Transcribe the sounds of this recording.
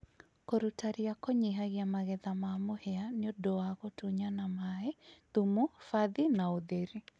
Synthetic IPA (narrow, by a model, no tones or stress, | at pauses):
kɔɾutaɾijakɔɲiɦaɣiamaɣɛðamaːmohɛanɪodɔaɣɔtuɲanamaeð̥umufaðinaoðeɾi